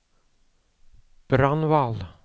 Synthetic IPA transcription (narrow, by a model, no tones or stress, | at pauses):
b̥ɾanval